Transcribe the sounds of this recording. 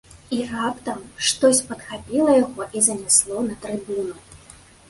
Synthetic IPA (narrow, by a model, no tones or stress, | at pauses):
irapt̪ɐmʂt̪ɔsʲpɐt̪xapʲilˠɐjaɣɔʔizɐnʲɛslˠɔnɐt̪ɾɨbunu